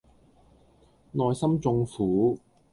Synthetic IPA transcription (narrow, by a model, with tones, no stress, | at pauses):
nɔː˨jsɐ˥mt͡sʊ˧ŋfuː˨˥